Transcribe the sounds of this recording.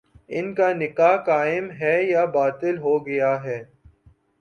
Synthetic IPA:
ɪnkanɪkaːɦkaːɪmɦɛjabaːt̪ɪlɦoːɡɐjaɦɛː

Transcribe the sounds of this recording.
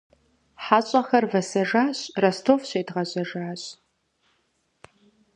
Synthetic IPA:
ħaːɕʼɐxɐrvɐsɐʐaːɕrɐstʰoːfɕeːdʁɐʑɐʐaːɕʼ

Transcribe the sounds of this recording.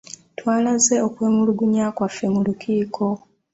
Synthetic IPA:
twaːlaze̞okwe̞ːmuluɡuɲaːkwafːe̞mulukʰiːkʰo̞

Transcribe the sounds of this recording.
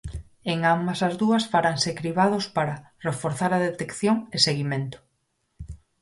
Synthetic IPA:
eŋambɐsazðuɐsfaɾaŋsekɾiβaðospaɾa | refoɾθaɾɐðet̪ekθjoŋeseɣimẽnt̪ʊ̥

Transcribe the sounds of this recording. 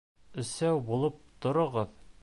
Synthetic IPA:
ɘ̆sæwbulˠɤp̚t̪ŏɾɤ̆ʁɤð

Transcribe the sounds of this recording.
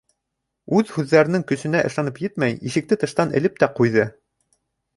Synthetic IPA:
ʉðhʉðːæɾɘ̆nɘŋkɵ̆sɘ̆næʔɤ̆ʃlˠɑnɤpjɘt̪mæjiʃɘ̆k̚t̪ɘt̪ɤ̆ʃt̪ɑnɘ̆lɘp̚t̪æqujðɤ

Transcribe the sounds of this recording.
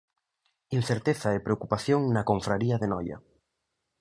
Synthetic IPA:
in̟θeɾt̪eθɐepɾeokupaθjoŋnɐkoɱfɾaɾiɐðenɔjɐ̰

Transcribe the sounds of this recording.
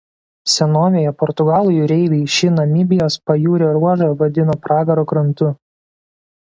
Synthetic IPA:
sʲɛnoːʋʲejɛpɔɾt̪ʊɡɑːlˠʊjʊɾʲɛɪʋʲɛɪʃʲɪnɐmʲɪbʲɪjoːspɐjuːɾʲoɾuɔʒoʋɐd̪ʲɪnoːpɾɑːɡɐɾoːkɾɐnt̪ʊ

